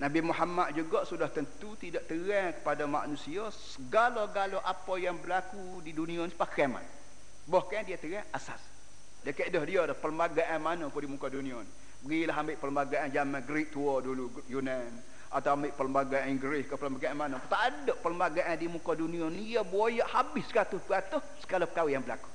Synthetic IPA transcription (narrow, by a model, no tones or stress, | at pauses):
nabimuɦamat̪̚d͡ʒuɡɔʔsudaht̪ənt̪ut̪idɔʔt̪əɣakə̥padama̰ʔnusiɔ | səɡalɔɡaloʔapɔjaŋbəlaku | didunĩɔnipakama̰n | bɔhkandiat̪əɣaʔasa̰s | dəkəʔdɔhdiodahpələmbaɡaʔanmanɔkudimukɔdunĩɔn | bəɡilaɦambeʔpələmbaɡaʔand͡ʒamanɡɾiʔ̚t̪uɔdulu | junan | ʔat̪awambeʔpələmbaɡaʔiŋɡɾɪskəpələmbaɡaʔanmanɔpt̪aʔadɔʔpələmbaɡaʔandimukɔduniɔnijabojaʔhabɪsəkat̪ʊspəɡat̪ʊhsə̥ɡalɔpəkawɪhjaŋbəla̰ku̥